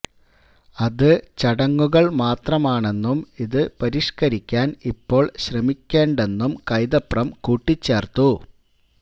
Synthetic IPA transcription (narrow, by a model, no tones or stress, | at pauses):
ɐðɨt͡ɕɐɽɐŋːuɣɐɭmaːt̪rɐmaːɳe̞nːumiðɨpɐɾiʂkɐɾikʲːaːnipːo̞ːɭɕrɐmikʲːe̞ːɳɖe̞nːumkɐjðɐprɐmkuːʈːit͡ɕːeːrt̪u